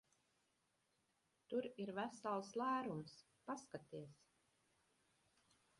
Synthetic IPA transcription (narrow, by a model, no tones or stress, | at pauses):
t̪uɾiɾvæsalˠslˠæːɾums | paskat̪iɛs